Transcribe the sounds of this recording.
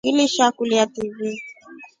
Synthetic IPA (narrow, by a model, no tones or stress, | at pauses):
iliʃakuliativi